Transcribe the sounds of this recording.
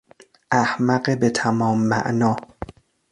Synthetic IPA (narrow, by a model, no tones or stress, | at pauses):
ʔæhmæɢebet̪ʰæmɒːmːæ̰ʔnɒː